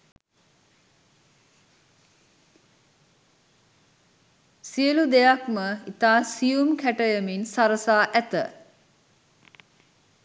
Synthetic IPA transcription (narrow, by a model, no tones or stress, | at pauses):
siəlud̪ejakməit̪aːsijumkæʈəjəminsaɾəsaːʔæt̪ə̰